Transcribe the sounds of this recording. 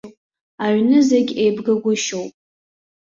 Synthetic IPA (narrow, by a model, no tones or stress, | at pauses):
pʼ | aɥnɨzeɡʲejbɡɨɡʷʊʃowpʼ